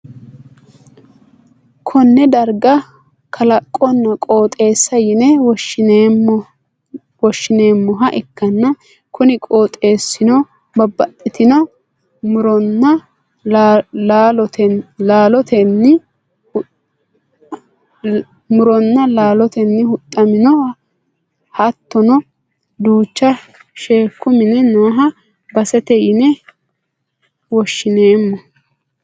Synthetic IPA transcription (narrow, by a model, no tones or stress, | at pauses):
kʰɔnːɛd̪ɐɾɡɐ | kʰɐlɐkʼːɔnːɐkʼo̞ːt̪ʼe̞ːsːɐjɪnɛwɔʃɪn | wɔʃːɪneːmːɔɦɐʔɛkːɐnːɐ | kʰʊnɪkʼo̞ːt̪ʼe̞ːsːɪnɔ | bɐbːɐt̪ʼːɪt̪ɪnɔ | mʊɾɔnːɐ | laːlɔt̪ɛlaːlɔt̪ʰɛnːɪ | ʊ | mʊɾɔnːɐlaːlɔt̪ɛnːɪhʊt̪ʼːɐmɪnɔwɐ | hɐt̪ːɔnɔ | d̪uːt͡ʃːɐ | ʃeːkːʊmɪnɛnoːɦɐ | bɐsɛt̪ɛjɪnɛ | wɔʃːɪne̞ːmːɔ